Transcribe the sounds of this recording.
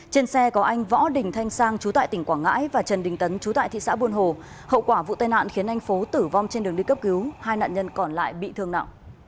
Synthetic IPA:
t͡ɕe˧nsɛ˧kɔ˨˦ʔa˧jŋ̟vɔ̰˧˥ɗï˨˩ŋ̟t̪ʰa˧jŋ̟saː˧ŋt͡ɕu˨˦t̪a̰ː˧˨jt̪ï˧˩ŋkwaː˧˩ŋa̰ː˧˥jvaː˨˩t͡ɕə˨˩nɗï˨˩ŋ̟t̪ə˨˦nt͡ɕu˨˦t̪a̰ː˧˨t̪ḭ˧˨sa̰ː˧˥ɓu˧ənɦo˨˩ | hə̰˧˨wkwaː˧˩vṵ˧˨t̪aː˧jna̰ː˧˨nxi˨˦ənʰa˧jŋ̟fo˨˦t̪ɨ˧˩va˧wŋ͡mt͡ɕe˧nɗɨ˨˩əŋɗi˧kə˦˥p̚ki˨˦whaː˧jna̰ː˧˨nɲə˧nkɔ˨˩nla̰ː˧˨jɓḭ˧˨t̪ʰɨ˧əŋna̰ː˧˨w

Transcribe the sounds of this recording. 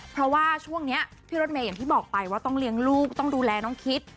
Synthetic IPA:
pʰɾɔ˦˥waː˥˩t͡ɕʰu˥˩əŋni˦˥ɐpʰiː˥ɾoː˦˥t̪̚meː˧ja˨˩t̪ʰiː˥˩bɔː˨˩k̚pa˧jwaː˥˩t̪ɔ˥˩ŋli˧əŋluː˥˩k̚t̪ɔ˥˩ŋduː˧lɛː˧nɔː˨˥ŋkʰi˦˥t̪̚

